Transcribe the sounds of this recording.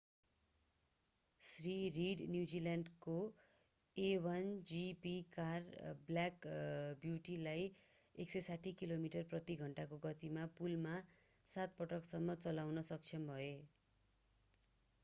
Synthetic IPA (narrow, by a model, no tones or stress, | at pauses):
sririɽnjud͡zilaɳɖko | ewʌnd͡zipikarbljakbjuʈilaj | eksʌjsaʈʰikilomiʈʌrprʌt̪iɡʱʌɳʈakoɡʌt̪imapulma | sat̪̚pʌʈʌksʌmːʌt͡sʌlawnʌsʌk̚t͡sʰʌnbʱʌe